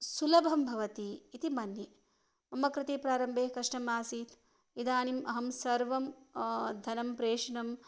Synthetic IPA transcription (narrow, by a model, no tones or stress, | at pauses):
sulɐbʱɐmbʱɐʋɐt̪iːt̪imɐnji | mɐmːɐkɾɪt̪eːpɾaːɾɐmbʱeːkɐʂʈɐmaːsiːt̪ʰ | id̪aːnimʔɐɦɐmsɐɾʋɐmd̪ʱɐnɐmpɾeːʂnɐm